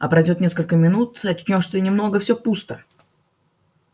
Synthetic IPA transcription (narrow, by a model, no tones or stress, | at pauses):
ɐ̰pɾɐjdʲo̞t̪nʲe̞skəlʲkəmʲɪnut̪ɐt͡ɕnʲoʂt̪ənʲɪmno̞ɡəfsʲopust̪ə